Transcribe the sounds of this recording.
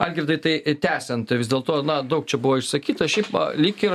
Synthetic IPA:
ɐlʲɡʲɾɪd̪ɐɪt̪ɐɪt̪ʲæːsʲɛnt̪ʋʲɪzʲd̪ʲeːlˠt̪oːnɐd̪ɐʊk̚t͡ʃʲɛbuʋoːɪʃsɐkʲiːt̪ɐʃʲɛɪpɐ̰lʲɪkʲɪ

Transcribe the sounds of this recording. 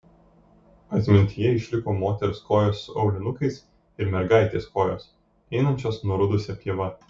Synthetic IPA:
ɐt̪ʲmʲɪnʲt̪ʲɪjɛɪʃʲlʲɪkoːmoːt̪ʲɛɾʊskoːjoːsːʊɒʊlʲɪnʊkɐɪs | ɪɾmʲɛɾɡɑˑɪt̪ʲeːskoːjo̰ːs | ɛɪnɐnʲt͡ʃʲoːsnuɔɾʊd̪ʊsʲɛpʲiɛʋɐ

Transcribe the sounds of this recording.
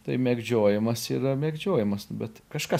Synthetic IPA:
t̪ɐɪmʲɛːɡd͡ʒʲoːjɪmɐsiːɾɐmʲɛːɡd͡ʒʲoːjɪmɐsbʲɛt̪kɐʃkɐ

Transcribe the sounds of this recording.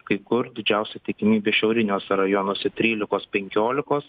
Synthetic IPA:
kɐɪkʊɾd̪ʲɪd͡ʒʲɛʊsʲɛt̪ʲɪkʲɪmʲiːbʲeːʃʲɛʊɾʲɪnʲoːsʲɛɾɐjonoːsʲɛt̪ʲɾʲiːlʲɪkoːspʲɛŋʲkʲoːlʲɪkoːs

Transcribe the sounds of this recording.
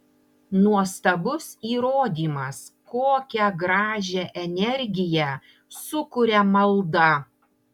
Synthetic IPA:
nuɔst̪ɐbʊsiːɾoːd̪ʲiːmɐskoːkʲɛɡɾɑːʒʲɛʔɛnʲɛɾʲɡʲɪjɛ | sʊkʊɾʲɛmɐlˠd̪ɐ

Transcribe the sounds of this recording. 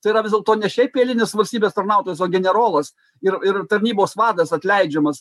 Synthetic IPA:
t̪ɐɪiɾɐʋʲɪzd̪ʲlˠkt̪oːnʲɛʃʲɛɪpʲeːlʲɪnʲesʋɐlʲsʲt̪ʲiːbʲeːst̪ɐrnɑʊt̪oːjɛsoːɡʲɛnʲɛɾoːlˠɐs | ɪrɪɾt̪ɐɾʲnʲiːboːsʋɑːd̪ɐsɐt̪ʲlʲɛɪd͡ʒʲɛmɐs

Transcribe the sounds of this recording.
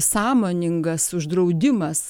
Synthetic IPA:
sɑːmoːnʲɪŋɡɐsʊʒd̪ɾɐʊd̪ʲɪmɐs

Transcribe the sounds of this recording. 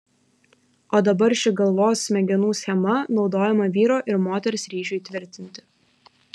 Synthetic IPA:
oːd̪ɐbɐɾʃʲɪɡɐlˠʋoːsmʲɛɡʲɛnuːsʲxʲɛmɐnɒʊd̪oːjɛmɐʋʲiːɾoːʔɪɾmoːt̪ʲɛɾʲsɾʲiːʒʲʊɪt̪ʲʋʲɪɾʲt̪ʲɪnʲt̪ʲɪ̥

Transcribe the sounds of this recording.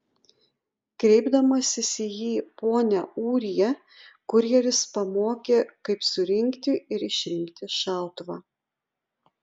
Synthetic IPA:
kɾʲɛɪbd̪ɐmɐsʲɪsʲɪjiːpoːnʲæuːɾʲijɛ | kʊɾʲjɛɾʲɪspɐmoːkʲeːkɐɪpsʊɾʲɪŋʲkt̪ʲɪʔɪɾɪʃʲɾʲɪŋʲkt̪ʲɪʃʲæˑlˠt̪ʋɑː

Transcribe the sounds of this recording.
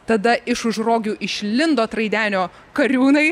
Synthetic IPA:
t̪ɐd̪ɐʔɪʃʊʒroːɡʲuːʔɪʃʲlʲɪnd̪oːt̪ɾɐɪd̪ʲæːnʲoː | kɐɾʲuːnɐɪ

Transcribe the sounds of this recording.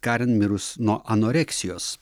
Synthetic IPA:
kɑɾʲɛnmʲɪɾʊsnuɔʔɐnoːɾʲɛksʲɪjoːs

